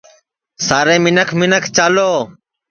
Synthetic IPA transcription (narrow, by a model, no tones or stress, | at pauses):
saːɾeːmɪnəkʰmɪnəkʰt͡ʃaːloː